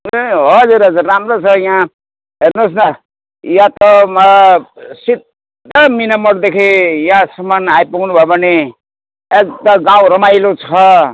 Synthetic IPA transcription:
ɦʌd͡zuɾɦʌd͡zurːamrot͡sʰʌjã | ɦernosnʌ | jãt̪ʌmʌsid̪ | ʌminʌmʌɽd̪ekʰijãsʌmanajpʌɡnubʱʌebʱʌne | ek̚d̪ʌɡãwɾʌmajlot͡sʰʌ

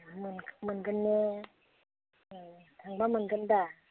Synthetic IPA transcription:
amɯnmɯnɡɯnːe | t̪ʰaŋbamɯnɡɯnd̪a

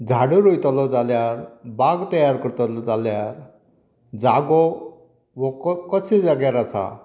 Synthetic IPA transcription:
d͡zʱaɽuɾujt̪ɔlɔd͡zaljaɾbaɡt̪əjaɾkəɾt̪ɔlɔd͡zaljaɾ | d͡zaɡɔ | ʋɔkkəsid͡zaɡjaɾasa̰

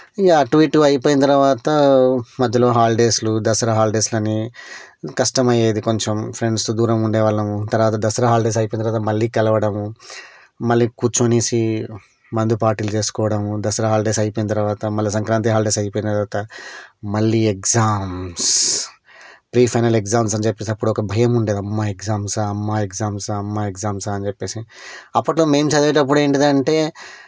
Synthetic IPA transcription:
jaʈʋiːʈːuɐjipoːjinɐt̪ɐɾɐʋaːt̪ɐmɐd̪ʱːɐlo̞ːɦaːlɖeːslud̪ɐsɐɾɐɦaːlɖe̞ːslɐnːi | kɐʂʈɐmɐjeːd̪iko̞ɲt͡ʃempʰɾeɳɖst̪oːd̪uːɾɐmuɳɖeːʋɐːɭːɐmut̪ɐɾʋaːt̪ɐd̪ɐsɐɾɐɦaːlɖeːs̬ɐjipoːnt̪ɾʋaːt̪ɐmɐɭːiːkɐlɐʋɐɽɐmu | mɐlːiːkuːt͡ʃoniːsi | mɐnd̪upaːɾʈiːlut͡ʃe̞ːsu̥kɔːʋɐɽɐmud̪ɐsɐɾɐɦaːlɖeːsɐjpojnɐt̪̬ɐɾʋaːt̪ɐmɐlːisɐŋkɾaːnt̪̬iɦaːlɖesɐjpoːjnɐt̪ɐɾʋaːt̪ɐmɐɭːiːekzaːms | pɾiːpʰɐjnɐleɡzaːmsɐnit͡ʃepːesiɐpːuɽuɔkɐbʱɐjɐmuɳɖeːd̪ɐmːaːekzaːmsɐmːaːeɡzaːmsɐmːaːeɡzaːmsɐnt͡ʃepːe̞ːsiɐpːɐʈloːmejmsɐd̪eːʈɐp̬ːuɽe̞ːɳʈid̪ɐɳʈe̞ː

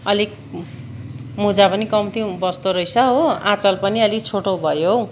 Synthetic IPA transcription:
ʌlik | mud͡zapʌnikʌmt̪ʰĩbʌst̪oɾʌjsʰʌɦoãt͡sʌlpʌniʌlikt͡sʰoʈowbʱʌjo

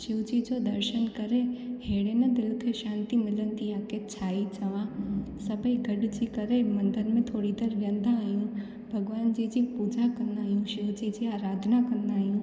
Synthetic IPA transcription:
ʃɪʋd͡ʑid͡ʑod̪ɐɾʃənkɐɾeheːɽenɐd̪ɪlʊt̪ʰeʃãːnt̪imɪlənt̪iaːket͡ɕʰaːit͡ɕɐʋãsɐbʱəiɡʱɐɖd͡ʑikɐɾemɐ̃nd̪əɾmẽt̪ʰoːɽid̪eɾɾə̃nd̪aːɦijũ | bʱɐɡʋaːnd͡ʑiːd͡ʑipuːd͡ʑakɐ̃nd̪aːɦijũʃɪʋd͡ʑid͡ʑiaːɾaːd̪ʱnakɐ̃nd̪aːɦijũ

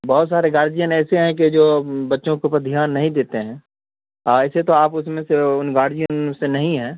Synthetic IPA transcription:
bɔɦʊt̪saːɾeɡaːɾd͡ʒijənɛːseɦɛ̃ked͡ʒoːbɐtːʃõkeuːpəɾd̪ʱijaːnːɐɦĩd̪eːt̪eɦɛ̃ː | ɛːset̪oaːpʊsmẽseʊnɡaːɾd͡ʒijə̃nsenɐɦĩɦɛ̃ː

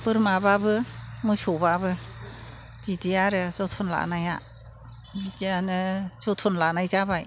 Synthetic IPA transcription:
pɯɾmababɯmɯsɔbabɯ | bidijaɾɯzɔtʰunla̰ʔnaja | bidianɯz̥ɔtʰɔnlanajzabaj

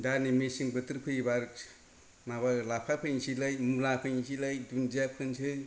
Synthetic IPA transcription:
danimesɯŋbɯt̪ʰɯɾpʰɯjbaɾk | maβalapʰapʰɯjŋsilɯjmulapʰɯjŋsʰilajdund͡ʒijap̚kʰɯnsʰɯ

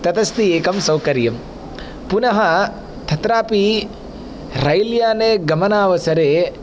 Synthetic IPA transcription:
t̪ɐt̪ɐst̪ieːkɐmsɐwkɐɾjɐm | punɐɦɐ | t̪ʰɐt̪ɾaːpi | ɾɐjljaːneːɡɐmɐnaːʋɐsɐɾeː

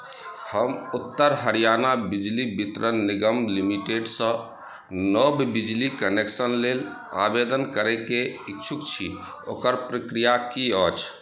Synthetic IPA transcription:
həmut̪ːəɾɦəɾijanabid͡ʒlibit̪ɾənːiɡəmlimiʈeɖsə̃ | nɔbbid͡ʒlikəneksənlel | a̰bed̪ənkəɾɛkeitːt͡ʃʰukt͡ʃʰi | o̰kəɾpɾəkɾijakiət͡ʃʰ

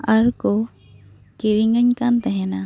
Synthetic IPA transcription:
aɾko | kiɾiŋəɲkant̪ɛɦɛna

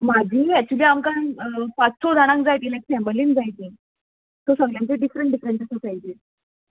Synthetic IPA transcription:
mad͡ʑʱiːɛk̚t͡ɕuliːamkanpat͡ssod͡zʱaɽ̃ãŋk̚d͡zajt̪iːlajksɛ̃mbəliːnd͡zajt̪iː | t̪osəɡljãnt͡ɕeɖifɾəɳʈɖifɾə̃ɳt͡ɕasəsajt̪iː

